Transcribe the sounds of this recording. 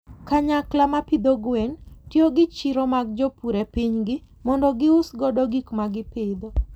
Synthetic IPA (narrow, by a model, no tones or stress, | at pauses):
kaɲaklamapid̪oɡwɛntjoɡɪt͡ʃiɾɔmaɡ̚d͡ʒɔpuɾepiɲɡɪ | mɔndɔɡɪʊsɡɔdɔɡikmaɡɪpɪd̪ɔ